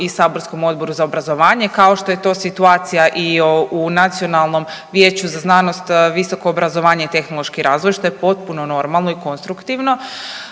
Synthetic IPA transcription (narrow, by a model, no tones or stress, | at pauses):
isaːbo̞ɾsko̞mo̞d̪bo̞ɾuzaobɾazo̞ʋaːɲekao̞ʃt̪o̞je̞t̪o̞ːsit̪uaːt̪sijaʔiounat̪sio̞nalˠno̞m | ʋjeːt͡ɕuzaznaːno̞st̪ʋiso̞ko̞ːbɾazo̞ʋaːɲeit̪e̞xnolˠo̞ʃkiɾaːzʋo̞jʃt̪o̞jepo̞t̪̚puno̞no̞ɾmalˠno̞iko̞nst̪ɾukt̪iʋno